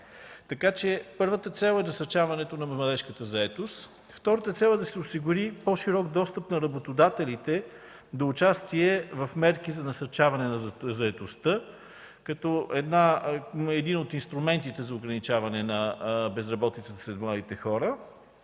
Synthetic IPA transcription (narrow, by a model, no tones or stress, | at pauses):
t̪ɐkat͡ʃɛpɤɾvət̪ət̪sɛlˠɛnɐsɐɾt͡ʃavɐnɛt̪onɐmmlˠɐd̪ɛʃkət̪əzɐɛt̪ost̪ | ft̪ɔɾət̪ət̪sɛlˠɛd̪ɐsɛʊsiɡʊɾipɔʃiɾɔɡd̪ɔst̪əpnɐɾɐbot̪od̪at̪ɛlit̪ɛ | d̪oːt͡ʃast̪iɛvɐfmɛɾkizɐnɐsɐɾt͡ʃavɐnɛnɐzzɐɛt̪ost̪ə | kɐt̪ɔɛd̪naɛd̪inot̪inst̪ɾumɛnt̪it̪ɛzɐʊɡɾɐnit͡ʃavɐnɛnɐbɛzɾɐbɔt̪it̪sət̪ə̥slɛd̪mlˠad̪it̪ɛxɔɾə